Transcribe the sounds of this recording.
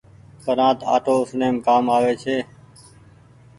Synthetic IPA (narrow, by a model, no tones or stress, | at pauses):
k̪əɾãːt̪a̰ːʈoːʊsneːmkaːmaːʋeːt͡ʃʰeː